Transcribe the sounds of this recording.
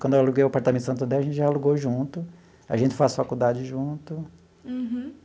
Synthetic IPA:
kwɐ̃d̪ealuɡejwapaɾt̪ɐmẽt̪sɐ̃nt̪ɐnd̪ɛɐʒẽt̪ɪʒaaluɡoʒũnt̪ʊ | aʒẽnt͡ʃɪ̥fasfakud̪ad͡ʒɪʒũt̪ʊ

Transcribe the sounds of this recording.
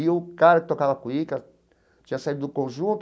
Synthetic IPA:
ikaɾɐkɪ̥t̪okaβɐkuika | t͡ʃĩasaiɾd̪ʊkõʒũnt̪

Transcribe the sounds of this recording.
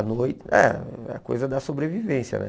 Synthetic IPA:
nojtɛɛ̰ko̰jzɐd̪ɐsobɾevivẽsjɐ̰nɛ̰

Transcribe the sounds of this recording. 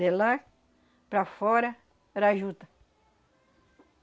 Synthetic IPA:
elaɾ | pɾafɔɾɐ | ɾaʒut̪ɐ̥

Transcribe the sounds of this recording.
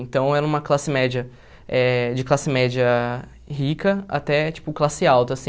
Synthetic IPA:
ẽnt̪ɐ̃w̃ɛɾɐũmɐklasɪmɛd͡ʒɐ | ɛd͡ʒɪklasɪmɛd͡ʒiɐ | ɦikɐa̰t̪ɛt͡ʃi̥pʊklasɪawt̪ɐːsĩ

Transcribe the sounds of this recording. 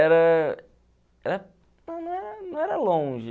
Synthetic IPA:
ɛɾɐ | ɛɾɐ | nɐ̃w̃nɐ̃w̃ɛɾɐnɐ̃w̃ɛɾɐlõʒɪ

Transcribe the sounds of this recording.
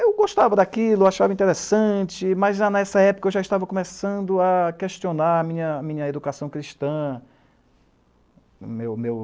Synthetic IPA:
ewɡoʃt̪avɐd̪akilʊaʃavɐĩt̪eɾesɐ̃t͡ʃɪmɐzanɛsɐɛpo̥kɐewʒaiʃt̪avɐkõmesɐ̃nd̪ʊakeʃt͡ʃionaɾɐmĩɲɐːmĩɲɐed̪ukasɐ̃w̃kɾiʃt̪ɐ̃ | mewmew

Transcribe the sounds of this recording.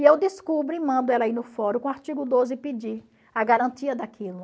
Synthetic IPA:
iewd̪iskubɾʊmɐ̃nd̪ʊɛlainʊfɔɾʊkõaɾt͡ʃiɡʊd̪ozɪpid͡ʒiɾ | aɡaɾɐ̃t̪iɐd̪akilʊ

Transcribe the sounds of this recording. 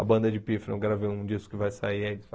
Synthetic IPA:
ɐ̰bɐ̃nd̪ɐd͡ʒɪpifnɐ̃w̃ɡɾavejũd͡ʒiskʊ̥kɪvajsaiɐĩ

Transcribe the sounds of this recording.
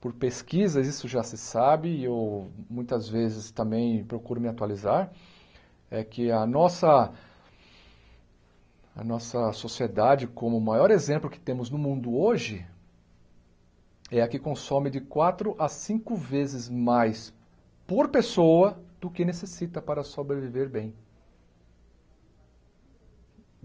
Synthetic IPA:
poɾpeskizɐzisʊʒasɪsabɪewmũj̃t̪ɐzvezɪst̪ɐ̃mbẽj̃pɾokuɾʊmɪat̪ualizaɾ | ɛkɪɐnɔsɐ | ɐ̰nɔsɐsosied̪ad͡ʒɪkõmʊmajɔɾezẽmplʊkɪ̥t̪ẽmʊznʊmũnd̪ʊoʒɪ | ɛɐkɪkõsõmɪd͡ʒɪkwat̪ɾʊʔasĩkʊvezɪzmajs | poɾpesowɐd̪̥ʊkɪnesesit̪ɐpaɾɐsobɾeviveɾbẽj̃

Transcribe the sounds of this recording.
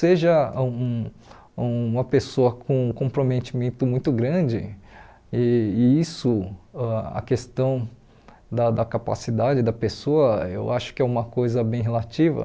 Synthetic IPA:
seʒɐũ | ũũmɐpesoɐkʰõkõpɾomet͡ʃimẽnt̪ʊmũj̃t̪ʊɡɾɐ̃d͡ʒɪ̰ | ɪisʊaɐ̰kest̪ɐ̃w̃ | d̪ɐd̪ɐkapa̰sid̪ad͡ʒɪd̪ɐpesoɐḛwaʃʊ̥kɪɛũmɐkojzɐbẽj̃ɦelat͡ʃivɐ̰

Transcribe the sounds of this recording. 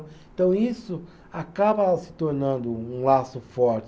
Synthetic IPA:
ẽt̪ɐ̃w̃isʊ | akabɐsɪ̥t̪oɾnɐ̃nd̪ʊũlasʊfɔɾt͡ʃ

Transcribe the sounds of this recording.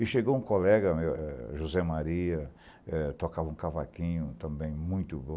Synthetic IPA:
ɪʃeɡowũkolɛɡɐmewɛʒuzɛmaɾiɐ | ɛt̪okavɐũkavakĩɲʊt̪ɐ̃bẽj̃mũj̃t̪ʊbõ

